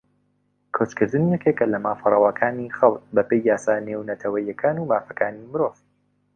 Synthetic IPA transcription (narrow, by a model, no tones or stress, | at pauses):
kʰot͡ʃkɨɾd̪ɨnijɛkekːɐlɐmaːfɨrˤɐwakʰaːnixɐlˠt̪bɐpejːaːsaːneːwnɐt̪ʰɐwɐjːɐkʰaːnumaːfɐkʰaːnimɨɾov